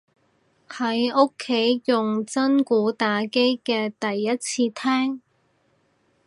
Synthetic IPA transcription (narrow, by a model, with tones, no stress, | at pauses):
hɐ˨˥jʊ˥kʰːe˨˥jjʊ˨˩ŋt͡sɐ˥nkuː˨˥t̪aː˨˥ke˥jkɛː˧t̪ɐ˨jːɐ˥t̚t͡sʰiː˧t̪ʰɛː˥ŋ